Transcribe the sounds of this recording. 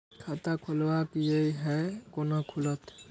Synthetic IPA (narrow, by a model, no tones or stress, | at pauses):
kʰat̪akʰolwakijeiɦɛkonɔkʰulɔt̪